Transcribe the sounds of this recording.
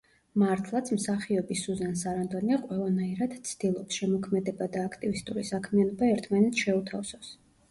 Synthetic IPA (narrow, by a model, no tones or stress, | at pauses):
maɾt̪ʰlˠat̪sʰmsaχiɔbisuzansaɾand̪ʼɔniaqʼwɛlˠanaiɾad̪̥t̪sʰd̪̥ilˠɔpsʃɛmɔkʰmɛd̪ɛbad̪aːkʰt̪ʼivist̪ʼuɾisakʰmianɔbaɛɾt̪ʰmanɛt̪sʰʃɛut̪ʰafsɔs